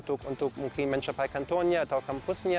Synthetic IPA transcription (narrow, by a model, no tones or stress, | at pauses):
t̪ʊkʔʊnt̪ʊkmukʰimɛ̃nt͡ʃɐpajkɐnt̪onɲat̪awkɐmpʊsɲʲa